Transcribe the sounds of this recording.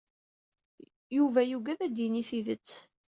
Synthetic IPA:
juvæjuɡæðæd̪iniθiðət͡sː

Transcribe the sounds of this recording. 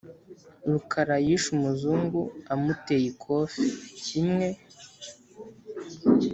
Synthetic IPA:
ɾukʰaɾajiʃumuzuːŋɡuamute̞jikʰoficimŋe̞

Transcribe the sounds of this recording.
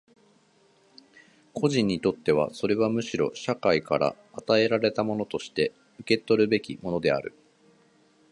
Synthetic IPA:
kʰo̞ʑĩɲ̟ːit̪o̞t̪ːe̞β̞a̰so̞ɾe̞βamɯ̟ɕiɾo̞̰ɕakaikaɾa̰ːt̪ae̞ɾaɾe̞t̪amo̞no̞t̪o̞ɕi̥t̪e̞ | ɯ̟ke̞t̪o̞ɾɯ̟be̞kʲimo̞no̞d̪e̞a̰ɾɯ̟̰

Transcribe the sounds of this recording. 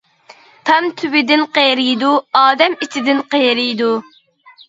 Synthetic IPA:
t̪ʰɑmt̪ʰywɪd̪ɪnqeɾijd̪uɑːd̪ɛmit͡ʃʰɪd̪ɪnqeɾijd̪u

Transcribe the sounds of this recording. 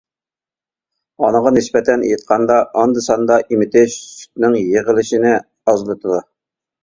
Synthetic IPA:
ɑnəʁɑnɪspɛt̪ʰɛnjɨt̪̚qʰɑnd̪ɑʔɑnd̪ɨsɑnd̪ɑʔimɪt̪ʰɪʃsy̥t̪̚nɪŋjeʁəlˠɪʃinɪ | ɑzlˠɨt̪ʰɨd̪u

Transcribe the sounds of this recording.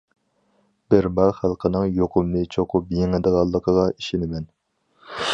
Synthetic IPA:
b̥ɪɾmɑχælˠqʰənɨŋjoqʰʊmnɨt͡ʃʰoqʰʊpbjiŋɪd̪əʁɑlˠːəqʰəʁɑiʃinɪmɛn

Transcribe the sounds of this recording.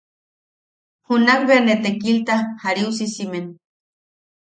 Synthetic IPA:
hunaŋbeanet̪ekilt̪ahaɾius̬isimen

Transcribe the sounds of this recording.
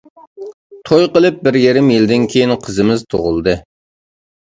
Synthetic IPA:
t̪ʰojqəlˠɨp̚bɪɾjeɾɪmjɪld̪ɪnkʲʰejinqʰəzɨmɪzt̪ʰo̰ʁʊlˠd̪ɨ

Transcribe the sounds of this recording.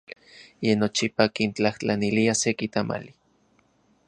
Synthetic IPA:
jenːot͡ʃipakint͡ɬaht͡ɬaniliasekit̪ama̰li

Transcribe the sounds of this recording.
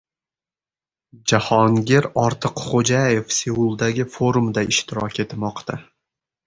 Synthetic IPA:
d͡ʒahɒŋɡʲeɾɒɾt̪ʰɨqχod͡ʒajefsewulˠd̪aɡʲɪfoɾumd̪aɪʃt̪ɪɾɒkʲʰe̞t̪mɒqt̪ʰa

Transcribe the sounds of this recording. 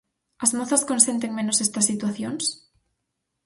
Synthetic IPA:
azmoθaskonsent̪̬eŋmenosest̪asːit̪waθjons

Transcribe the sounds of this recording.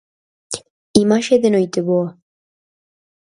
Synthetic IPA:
imaʃeðenojt̪eβoa

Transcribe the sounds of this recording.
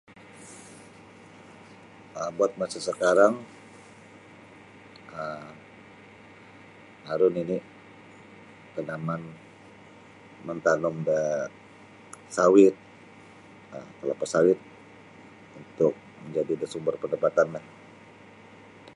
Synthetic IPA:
əbuat̪̚masasəkaɾaŋ | əm | aɾʊnini | k̪ənaman | mənt̪anɔmdə | sawɪt̪̚ | əmt̪əlapasawɪt̪̚ | unt̪ʊk̚məɲd͡ʒadidəsumbərpəndapat̪anlah

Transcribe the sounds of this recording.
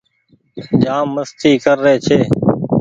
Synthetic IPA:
d͡ʒaːmːəst̪ʰiːkəɾːeːt͡ʃʰeː

